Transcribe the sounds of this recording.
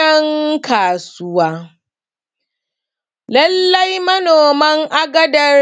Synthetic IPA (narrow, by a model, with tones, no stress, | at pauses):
ɐ˦ŋkaː˨sʊ˦waː˦ | lɐ˦lːɐ˦jmɐ˦noː˨mɐ˦ŋʔa˦ɡɐ˦dɐ˦